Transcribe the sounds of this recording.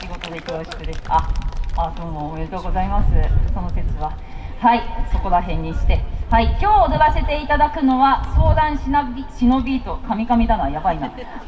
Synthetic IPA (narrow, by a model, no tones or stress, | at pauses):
kiɡo̞t̪o̞d̪eik̪aɾoɕi̥t̪ːed̪e̞sɨ̥aad̪oːmoːmeɾet̪oːɡo̞zaimasɨso̞no̞se̞t͡sɨβa | haiso̞ko̞ɾaɦẽ̞ɲ̟ːiɕi̥t̪e̞haikʲo̞ːd̪oɡase̞t̪e̞it̪ad̪akɯ̟no̞βaso̞ːd̪ãɰ̃ɕinaiɕino̞bʲiːt̪o̞kamʲikamʲid̪anβajabaina